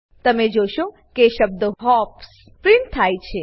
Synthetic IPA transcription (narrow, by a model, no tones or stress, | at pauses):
t̪əmed͡ʒoʃo | keʃəb̚d̪oɦɔpss | pɾiɳt̪ʰajt͡ʃʰe